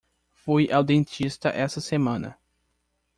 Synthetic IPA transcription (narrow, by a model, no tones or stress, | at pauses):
fujʔawd̪ẽnt͡ʃist̪ɐ̰ʔɛsɐsemɐ̃nɐ̰